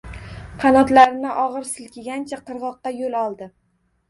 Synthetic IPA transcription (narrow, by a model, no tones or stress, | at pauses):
qʰɑnɒt̪laɾɪnɪʔɒʁɨɾsɪlkʲʰɪɡʲant͡ʃʰaqʰɨɾʁɒqːɑjolˠɒlˠd̪ɪ